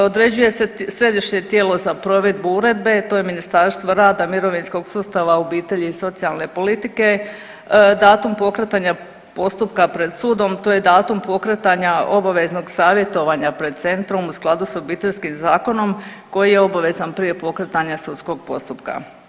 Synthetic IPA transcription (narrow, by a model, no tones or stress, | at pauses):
od̪ɾe̞d͡ʑuje̞sesɾe̞d̪iʃɲe̞t̪je̞ːlo̞zapɾo̞ʋe̞d̪̚buuɾe̞d̪be̞t̪oːjeminist̪aɾst̪ʋoɾaːd̪amiɾo̞ʋinsko̞ɡsuːst̪aʋaobiːt̪e̞ʎiiso̞t̪sialˠne̞po̞lit̪ike̞ | d̪aːt̪umpo̞kɾet̪aɲa | po̞st̪up̚kapɾe̞d̪suːd̪o̞mt̪o̞ːje̞d̪aːt̪umpo̞kɾet̪aɲaʔo̞baʋe̞zno̞ɡsaːʋje̞t̪o̞ʋaɲapɾe̞d̪̚t̪se̞nt̪ɾo̞musklˠad̪usobiːt̪e̞ʎskimzaːko̞no̞mko̞jijeo̞baʋe̞zanpɾije̞po̞kɾe̞t̪aɲasudt̪sko̞ɡ̚po̞̰st̪upka̰